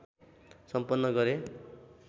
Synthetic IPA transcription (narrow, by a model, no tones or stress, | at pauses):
sʌmpʌnːʌɡʌɾe